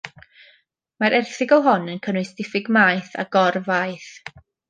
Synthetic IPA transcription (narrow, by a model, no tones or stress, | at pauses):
maɾʔɛrθɪɡɔɦɔnənkʰənwɨjsd̥ɪfɪɡmajθa̰ɡɔrvajθ